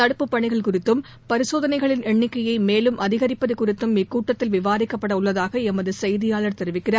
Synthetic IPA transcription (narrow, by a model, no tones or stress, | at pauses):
t̪ɐɽɯpːɯpːɐɳɪɣɐɭkʊrɪt̪ːɯm | pɐɾɪsoːðɐnɐɪɣɐɭɪnɛɳːɪkːɐjɐɪmeːlɯmʔɐðɪɣɐɾɪpːɐðɯkʊrɪt̪ːɯmɪkːuːʈːɐt̪ːɪlʋɪʋaːɾɪkːɐpːɐɽɐʊɭːɐðaːɣɐɛmɐðɯsɐjðɪjaːɭɐɾt̪ɛɾɯʋɪkːɪraːɾ